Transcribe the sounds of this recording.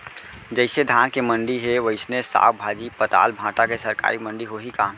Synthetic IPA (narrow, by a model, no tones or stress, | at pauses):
d͡ʒəɪsed̪ʱaːnkemə̃ɳɖiɦeʋəɪsnesa̰ːwbʱaːd͡ʒipət̪a̰ːlbʱãːʈakesəɾka̰ːɾimə̃ɳɖiɦoɦikaːm